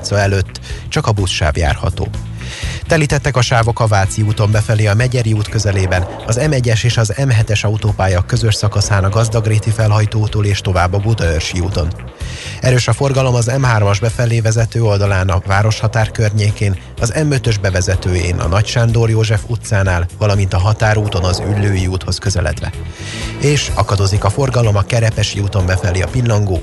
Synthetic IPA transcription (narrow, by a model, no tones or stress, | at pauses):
t̪sɒɛløt̪ːt͡ʃɒkɒbusʃa̰ːvja̰ːrhɒ̰t̪o̰ː | t̪ɛliːt̪ɛt̪ːɛkɒʃaːvo̞kɒvaːt̪siuːt̪o̞mbɛfɛleːɒmɛɟɛɾiuːt̪kø̞zɛleːbɛn | ɒzɛmɛɟːɛʃeːʃɒzɛmɦɛt̪ɛʃɒut̪oːpaːjɒkːø̞zø̞ʃsɒkɒsaːnɒɡɒzd̪ɒɡreːt̪ifɛlɦɒjt̪oːt̪oːleːʃt̪o̞vaːbːɒbud̪ɒørʃiuːt̪o̞n | ɛɾøːʃɒfo̞rɡɒlo̞mɒzɛmɦaːrmɒʒbɛfɛleːvɛzɛt̪øːo̞ld̪ɒlaːnɒvaːɾo̞ʃhɒt̪aːrkø̞rɲeːkeːn | ɒzɛmø̞t̪ø̞ʒbɛvɛzɛt̪øːjḛːnɒ̰nɒcʃand̪orjoːʒɛfut̪saːnaːlvɒlɒmint̪ɒɦɒt̪aːɾuːt̪o̞nɒzy̰lːøːjiuːt̪ho̞skø̞zɛ̰lɛ̰t̪ʋɛ̰ | eːʃɒ̰kɒd̪oːzikɒfo̞rɡɒlo̞mɒkɛɾɛpɛʃiuːt̪o̞mbɛfɛliɒ̰pilːɒŋɡoː